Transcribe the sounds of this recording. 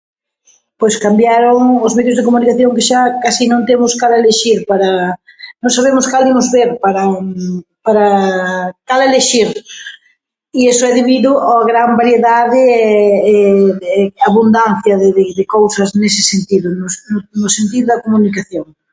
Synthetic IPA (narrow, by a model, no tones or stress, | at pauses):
pojskambjaɾʊŋʊzmeðjʊzðɪkomunikaθjoŋkɪʃakasinõnt̪emʊskaleleʃiɾpaɾɐnõŋsaβemʊskalimʊzβeɾpaɾɐ | paɾɐ | kaleleʃiɾ | iesʊɛðeβiðʊaɣɾambaɾjeðaðɪɛɛɛaβund̪anθjɐðɪðɪðɪkowsɐsnesɪ̥sent̪iðʊnʊsnʊnʊsent̪iðʊðɐkomunikaθjoŋ